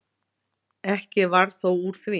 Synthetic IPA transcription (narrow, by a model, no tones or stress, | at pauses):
ɛhcɪvaɾ̥θowuɾ̥θvi